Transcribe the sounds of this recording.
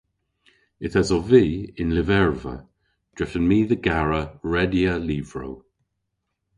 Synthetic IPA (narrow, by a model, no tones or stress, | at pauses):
ɪθazɔviːɪnlɪvɛɹvə̰ | d̥ɹɪfənmiːðəɡaɹəɹɛdiəliːvɹo̰w